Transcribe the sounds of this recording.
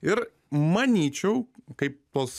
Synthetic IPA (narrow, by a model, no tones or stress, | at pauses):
ɪɾ | mɐnʲiːt͡ʃʲɛʊkɐɪp̚t̪oːs